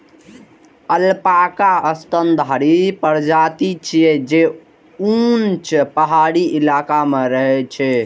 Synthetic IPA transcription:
əlpakaəst̪ənd̪ʱaɾipəɾd͡ʒat̪it͡ʃʰijɛd͡ʒe | unt͡ʃpəɦaɽiʔilakameɾəɦɛt͡ʃʰɛ

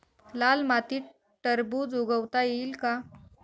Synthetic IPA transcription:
lalmat̪iː | ʈəɾbud͡zoɡəwt̪ajeiːlka

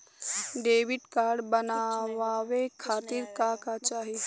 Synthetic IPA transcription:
ɖeːʋɪʈkaːɾɖbənaːwaːwekʰaːt̪ɪɾkakat͡ʃaːɦi

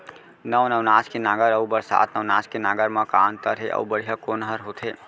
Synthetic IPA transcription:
nəwnəʋnaːskenaːɡəɾəubəɾsa̰ːt̪nəʋnaːskenaɡəɾməkant̪əɾɦeʔə̰ubəɽ̤ijakonɦəɾɦot̪ʰe

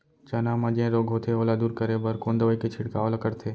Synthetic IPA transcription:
t͡ʃɐnamɐ̃d͡ʒẽɾoːɡʱɦoːt̪ʰeoːlad̪uːɾkɐɾebɐɾkoːnd̪əʋəiket͡ʃʰɪɽkaːlɐkəɾt̪ʰeː

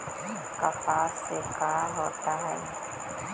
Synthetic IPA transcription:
kapaːsːekaːɦoːt̪aɦɛː

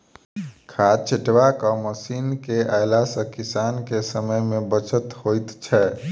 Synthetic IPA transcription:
kʰat͡ʃʰiʈʋakəməsinkeʔajlasə̃kisankesəməjmebət͡ʃət̪ɦojt̪t͡ʃʰɛ

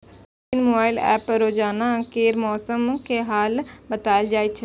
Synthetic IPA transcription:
ɪnmoːbaːɪlɛ̰ːpɾoːd͡ʒaːnaːkeːɾmɔːsəmkʰeːɦaːlbət̪aːɪld͡ʒaːit͡ʃʰ

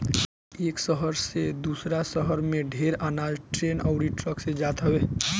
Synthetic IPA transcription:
eːksəɦəɾsed̪uːsɾasəɦəɾmẽɖʱeːɾaːnaːd͡ʒʈɾeːnaʊɽiʈɾəksed͡ʒaːt̪ɦəʋeː

